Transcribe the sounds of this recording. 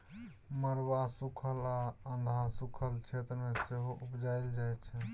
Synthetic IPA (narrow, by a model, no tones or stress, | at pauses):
məɾwasukʰəlaə̃nd̪ʱasukʰəlt͡ʃʰet̪ɾəmeseɦoʔupd͡ʒaɪld͡ʒajt͡ʃʰɛ